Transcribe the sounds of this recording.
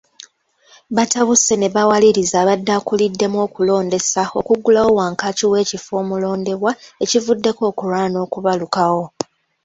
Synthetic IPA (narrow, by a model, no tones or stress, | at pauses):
βataβuse̞ne̞βawaliɾizaːβadːakulidːe̞mo̞ːkulo̞ːnde̞sao̞̰kuɡulawo̞waːŋkaːciwe̞ːcifo̞ːmulo̞ːnde̞βwae̞civudːe̞ko̞ːkuɾaːno̞ːkuβalukawo̞